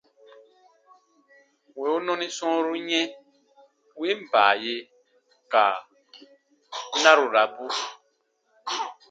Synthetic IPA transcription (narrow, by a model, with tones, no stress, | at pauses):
we˨u˦nɔ̃˦nĩ˦sɔ̃˦ɾu˦ɲɛ̃˦ | wi˦m̩˨ba̰ː˨je˦ | ka˨˦ | nã˦ɾu˨ɾa˨bu˦